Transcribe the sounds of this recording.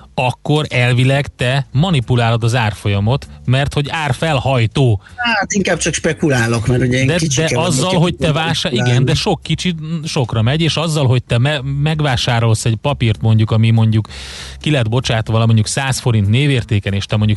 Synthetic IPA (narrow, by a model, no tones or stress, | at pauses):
ɒkːo̞ɾɛlvilɛɡt̪ɛmɒnipulaːlod̪ɒzaːrfo̞jɒmo̞t̪mɛrt̪ho̞ɟaːrfɛlhɒjt̪oːat̪iŋkaːb̚t͡ʃɒkʃpɛkulaːlokmɛɾuɟɛŋd̪ɛkit͡ʃd̪ɛɒzːɒlɦo̞c̚t̪ɛvaːʃaiɡɛnd̪ɛʃo̞kːit͡ʃiʃo̞krɒmɛɟeːʃɒzːɒlɦo̞c̚t̪ɛmɛmɛɡʋaːʃaːɾo̞lsɛɟpɒpirt̪mo̞ɲɟukɒmimo̞ɲɟukː | ilɛd̪bo̞t͡ʃaːt̪ʋɒlɒmo̞ɲɟuksaːsfo̞ɾint̪neːveːrt̪eːkɛneːʃt̪ɛmo̞ɲɟuk